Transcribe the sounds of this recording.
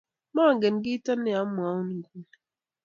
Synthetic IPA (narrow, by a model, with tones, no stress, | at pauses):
maː˦˨ŋ̩˨ɡe˨n̩˨ɡɪ˦i˦ta˦n̩˦ɪ˦a˨˦m̩˦mʊ˨a˨˦ʊ˦nu˨ɡu˦